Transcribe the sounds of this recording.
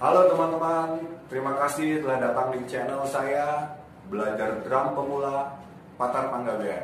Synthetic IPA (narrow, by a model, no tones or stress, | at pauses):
halot̪əmant̪əmant̪əɾimakasɪht̪əlahdat̪aŋdit͡ʃɛnəlsaja | bəlad͡ʒardɾampəmula | pat̪arpaŋɡabea̰